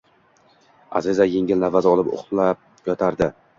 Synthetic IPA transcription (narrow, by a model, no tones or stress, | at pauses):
a̰zɪzaje̞ŋɪlnavazɒlˠɪpo̰χlap̚ | jɒt̪ʰaɾd̪ɪ